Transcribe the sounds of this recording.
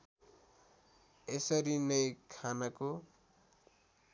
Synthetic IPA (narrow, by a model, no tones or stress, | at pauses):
esʌɾinʌjkʰanako